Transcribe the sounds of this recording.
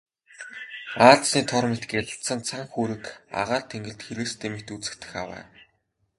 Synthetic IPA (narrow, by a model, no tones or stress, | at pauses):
aːɮsniːt̪ʰɔrmet̪̆ɡeɮə̆ɬt̪sə̆nt͡sʰaŋxuːɾɘ̆ka̰ʁaːrt̪ʰeŋɡɘ̆ɮt̪xeɾĕːst̪ʰemɘ̆kt̪ut͡sɘ̆k̚t̪ɘ̆xawæ̰ː